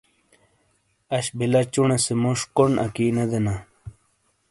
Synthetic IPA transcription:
ɐɕbilɐt͡ɕuɳesemoʂkonʔɐ̰kinɐd̪ena

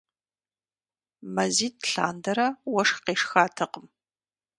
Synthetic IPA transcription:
mɐziːtʰɬa̰ːndɐɾɐwɐʂqeːʂxaːtʰɨqəm

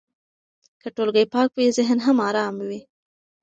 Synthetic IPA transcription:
kəʈolɡəjpɑk̚wizɪɦnɦamɑɾɑmwi

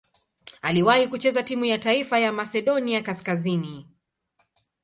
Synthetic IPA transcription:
aliwahikut͡ʃɛzatimujataifajamasɛɗɔniakaskazini

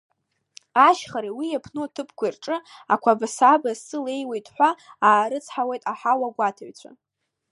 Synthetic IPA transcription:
aʃχaɾiwijapʰnotʰɨpʰkʷʰairʈ͡ʂʼɨakʷʰabasabassɨle̞jwejtʼħʷaaːɾɨt͡sʰħawe̞jtʼaħawaɡʷatʰaɥt͡sʷʰa̰

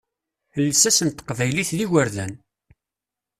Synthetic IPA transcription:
θəlːsæsənt̪ə̥qvæjliθðiʝəɾðæn

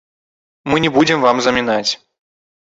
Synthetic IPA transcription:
mɨnʲɛbud͡zʲɪmvamzɐmʲinat͡sʲ

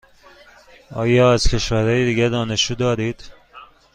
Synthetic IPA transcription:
ɒːjɒːæz̥cʰe̞ʃvæɾɒːjed̪iːɡæɾd̪ɒːne̞ʃt͡ʃuːd̪ɒːɾiːd̪̥

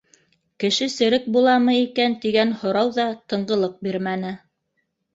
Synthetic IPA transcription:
kɘ̆ʃɘsɘ̆ɾɘk̚bulˠɑmɤikænt̪iɡænhŏɾɑwðɑt̪ɤ̆ɴɢɤ̆lˠɤq̚biɾmænɘ

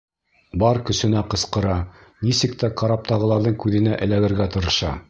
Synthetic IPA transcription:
bɑɾkɵ̆sɘ̆næqɤ̆sqɤ̆ɾɑnisɘ̆k̚t̪æqɑɾɑp̚t̪ɑʁɤ̆lˠɑɾðɤɴkʉðɘ̆næʔɘ̆læɡɘ̆ɾɡæt̪ɤ̆ɾɤ̆ʃɑ

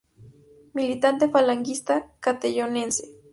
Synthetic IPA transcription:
milit̪ant̪efalaŋkist̪akat̪ejonense̥

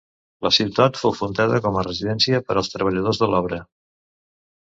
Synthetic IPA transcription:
ləsiwt̪at̪fowfunt̪aðəkɔmərəziðɛnsiəpəɾəlˠst̪ɾəβ̞əʎəð̞ozðəlɔβɾə

